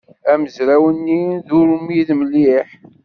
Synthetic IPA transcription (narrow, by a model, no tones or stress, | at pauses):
æməzɾæwənːiðuɾumiðməlːiħ